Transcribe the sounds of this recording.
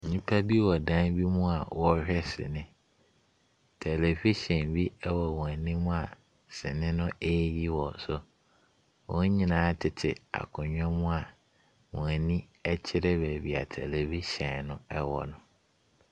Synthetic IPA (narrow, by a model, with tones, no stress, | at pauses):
ɲĩ˦pʰa˦bi˦wɔ˨dã˦nbi˦mũ˦a˨wɔ˦hᶣɛ˦sɪ̰˨nɪ̃˦ | tʰɛ˨le˨fi˦ɕɛ̃˨nbi˦ɛ˦wɔ˨wɔ̃˨æ˨nĩ˦mũ˦a˨ | sɪ̰˨nɪ̃˦nʊ̃˦e˦ji˦wɔ˨sʊ˨ | wɔ̃˦ɲĩ˦nãː˨˦tʰɪ˨tʰɪ˨a̰˨kʰʊ̃˨ɲᶣɔ̃˦mũ˦a˨ | wɔ̃˨æ˨nĩ˦ | ɛ˦t͡ɕʰɪ˦ɾɛ˦bæ˨bi˨a˨tʰɛ˨le˨vi˦ɕɛ̃˨nʊ̃˦ɛ˦wɔ̰˨nʊ̃˨